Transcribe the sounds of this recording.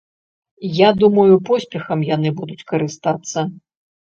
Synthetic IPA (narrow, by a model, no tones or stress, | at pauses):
jad̪umɐjupɔsʲpʲɛxɐmjan̪ɨbud̪ut͡sʲkɐɾɨst̪at̪sːɐ